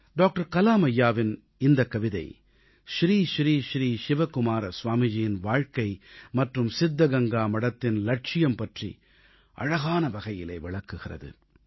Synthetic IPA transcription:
ɖoːk̚ʈɐɾkɐlaːmɐjːaːʋɪn | ɪnd̪ɐkːɐʋɪðɐɪ | ʃɾiːʃɾiːʃɾiːʃɪʋɐkʊmaːɾɐsʋaːmɪd͡ʒɪjɪnʋaːɻkɐɪmɐʈrɯmsɪd̪ːɐɡɐŋɡaːmɐɽɐt̪ːɪnlɐʈ̚t͡ʃɪjɐmpɐʈrḭ | ʔɐ̰ɻɐɣaːnɐʋɐɣɐjɪlḛːʋɪɭɐkːɯɣɪrɐ̰ðɯ̰

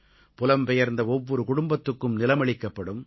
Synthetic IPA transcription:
pʊlɐmpɛjɐɾnd̪ɐɔʋːɔɾɯkʊɽʊmbɐt̪ːɯkːɯmnɪlɐmɐɭɪkːɐpːɐɽɯm

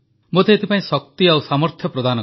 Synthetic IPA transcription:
mot̪ʰeːt̪ʰipaĩsɔk̚t̪iawsamɔɾt̪ʰjɔpɾɔd̪anɔ

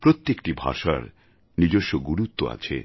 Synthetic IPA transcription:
pɾot̪ːekʈibʱa̰ʃa̰ɾ | nid͡ʑoʃːoɡuɾut̪ːoa̰t͡ɕʰḛ

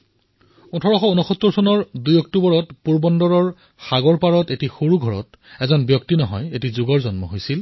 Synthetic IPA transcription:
utʰɔɹɔxɔunɔxɔt̪ːɔɹsɔnɔɹdujɔk̚tubɔɹɔtpuɹbɔndɔɹɔɹ | xaɡɔɹpaɹɔtetixoɹuɡʱɔɹɔ̰t | ɛzɔnbjɔktinɔɦɔjetizʊɡɔɹzɔnmɔ̰ɦojsil

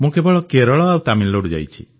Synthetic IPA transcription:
mũkebɔɭɔkeɾɔɭɔawt̪aminloɽud͡ʒa̰jt͡ʃʰi

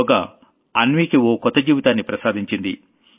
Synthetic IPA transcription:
ɡa | ɐnʋiːkioːkɔt̪ːɐd͡ʒiːʋit̪aːnːipɾɐsaːd̪iɲt͡ʃind̪ḭ

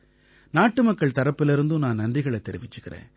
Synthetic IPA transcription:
naːʈːɯmɐkːɐɭt̪ɐɾɐpːɪlɪɾɯnd̪ɯnaːnɐndrɪɣɐɭɛt̪ːɛɾɪʋɪt͡ʃːɯɣɪrḛ̃ːn

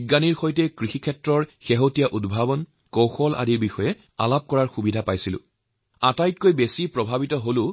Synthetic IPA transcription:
ɡaniɹxojtɛkɹixikʰɛtɹɔɹxeɦotijaʔudbʱabɔn | kowxɔlʔa̰diɹbixɔjɛ | a̰lap̚kɔɹaɹxubidʱapajsilʊ̰̃ | atajt̚kojbesipɹɔbʱabitɔɦolʊ

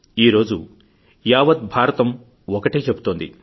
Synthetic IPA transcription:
iːɾo̞ːd͡ʒu | jaːʋɐd̪bʱaːɾɐt̪ɐm | ɔkɐʈeːt͡ʃebut̪oːnd̪ḭ

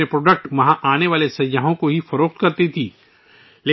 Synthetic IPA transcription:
epɾoːɖək̚ʈmɐɦãʔaːneʋaːlesɐjjaɦõkoɦifɐɾoːq̚t̪kɐɾt̪it̪ʰiː | leː

